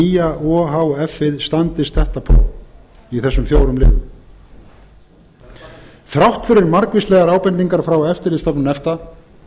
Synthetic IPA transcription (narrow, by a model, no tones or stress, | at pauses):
iːjaʔɔːɦawɛfːɪðst̪ant̪ɪst̪θɛht̪apʰɾo̰w | iθɛsːʏmfjowɾʏmlɪ̰ːðʏ | θɾawht̪fɪɾɪɾmaɾkvɪst̪lɛɣaɾaːwpɛnt̪iŋkaɾ̥fɾawɛft̪ɪɾɪðst̪ɔpnʏnɛft̪a